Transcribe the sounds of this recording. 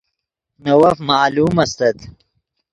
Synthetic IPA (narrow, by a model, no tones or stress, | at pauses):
nɐwɐfmaːluːmɐst̪ɐt̪